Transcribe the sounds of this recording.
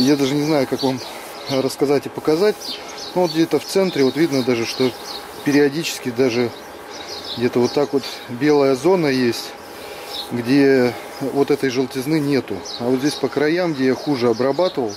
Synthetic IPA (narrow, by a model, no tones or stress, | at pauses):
jad̪aʐɨnʲɪznajʊkakvam | ɾəskɐzatʲɪpəkɐzatʲ | novo̞t̪ɡdʲet̪əft̪sɛnt̪ɾʲɪvo̞t̪vʲid̪nəd̪aʐɨʂt̪o̞ | pʲɪɾʲɪɐdʲit͡ɕɪ̥skʲɪd̪aʐɨ | ɡdʲe̞t̪əvo̞t̪ːakvo̞t̪bʲe̞lˠəjəzo̞nəjesʲtʲ | ɡdʲe̞ | vo̞t̪ɛt̪əjʐɨlˠtʲɪznɨnʲe̞t̪ʊɐvot̪zʲesʲpəkɾɐjamɡdʲe̞jaxuʐɨɐbɾɐbat̪ɨvəlˠ